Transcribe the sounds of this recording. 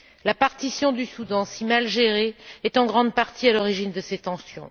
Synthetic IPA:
lapaʁt̪isjɔ̃d̪ysud̪ɑ̃simalʒeʁeɛt̪ɑ̃ɡʁɑ̃d̪paʁt̪ʰialɔʁiʒind̪əset̪ɑ̃sjɔ̰̃

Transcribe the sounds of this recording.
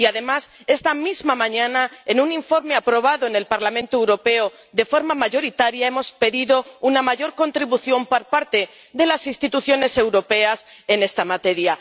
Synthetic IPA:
iaðe̞mas | e̞st̪amizmamãɲãnaenunĩɱfo̞ɾme̞apɾo̞β̞aðo̞enelpaɾlamẽnt̪oewɾo̞pe̞o | ðe̞fo̞ɾmamaʝo̞ɾit̪aɾjae̞mo̞spe̞ðiðo̞unamaʝo̞ɾko̞nt̪ɾiβuθjo̞mpoɾpaɾt̪e̞ | ðe̞lasinst̪it̪uθjo̞ne̞se̞wɾo̞pe̞ase̞ne̞st̪amat̪e̞ɾja

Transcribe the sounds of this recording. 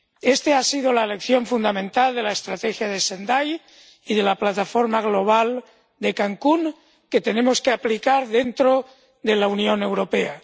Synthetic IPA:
est̪easið̞olaelekθjo̞ɱfund̪amẽnt̪ald̪e̞laest̪ɾat̪exjað̞esend̪aj | iðe̞laplat̪afo̞ɾmaɣ̞loβ̞al | d̪ekaŋkuŋ | ket̪e̞nemoskeaplikaɾðe̞nt̪ɾo | ðelaunjo̞ne̞wɾopea

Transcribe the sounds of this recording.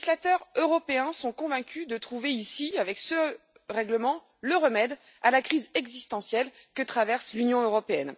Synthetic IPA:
slat̪œʁøʁɔpeɛ̃sɔ̃kɔ̃vɛ̃kʲyd̪ət̪χuveisiavɛksə | ʁɛɡləmɑ̃ | ləʁəmɛd̪ | alakχizɛɡzist̪ɑ̃sjɛlkət̪χavɛʁslynjɔ̃øʁɔpeɛn

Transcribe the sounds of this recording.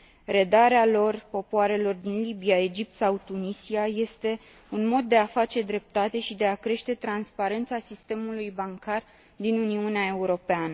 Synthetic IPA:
ɾe̞d̪aɾealo̞rpo̞poaɾe̞lo̞rd̪inlibiae̞d͡ʒip̚t̪sawt̪unisiaje̞st̪e̞ | unmo̞d̪̚ːe̞afat͡ʃe̞d̪ɾe̞p̚t̪at̪e̞ʃid̪e̞akɾe̞ʃt̪e̞t̪ɾanspaɾe̞nt̪sasist̪e̞mulujbaŋkar | d̪inuniuneae̞uɾo̞peanə

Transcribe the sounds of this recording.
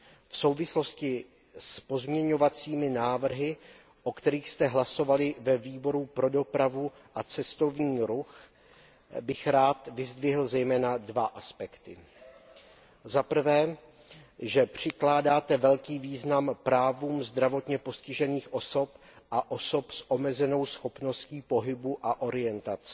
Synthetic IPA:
fsowvɪslo̞scɪ | spo̞zmɲɛɲo̞vat͡siːmɪnaːvr̩ɦɪ | ʔokt̪ɛɾiːxst̪ɛɦlaso̞valɪvɛviːbo̞ɾupɾo̞do̞pɾavu | ʔat͡sɛst̪o̞vɲiːɾux | bɪxɾaːt̪vɪzd̪vɪɦl̩zɛjmɛːnadvaʔaspɛkt̪ɪ | zapr̩vɛː | ʒɛpr̝̥ɪklaːdaːt̪ɛvɛlkiːviːznampɾaːvuːmzd̪ɾavo̞t̪ɲɛpo̞scɪʒɛniːxʔo̞so̞p | ʔaʔo̞so̞psʔo̞mɛzɛno̞wsxo̞pno̞sciːpo̞ɦɪbuʔaʔo̞ɾɪjɛnt̪at͡s

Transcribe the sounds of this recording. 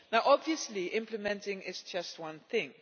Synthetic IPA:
naʊʔɔbviəsliʔɪ̃mpləmɛ̃ntɪ̃ŋɪzd͡ʒʌst̚wʌ̃nθɪ̃ŋ

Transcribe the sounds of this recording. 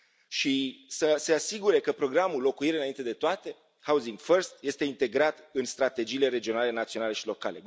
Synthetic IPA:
ʃisəse̞asiɡuɾe̞kəpɾo̞ɡɾamulːo̞kuiɾɨnaint̪e̞d̪e̞t̪oat̪e̞ | hauziŋɡfərst̪je̞st̪e̞int̪e̞ɡɾat̪ɨnst̪ɾat̪e̞d͡ʒiːle̞ɾe̞d͡ʒio̞nale̞nat̪sio̞nale̞ʃilo̞ka̰le̞̰

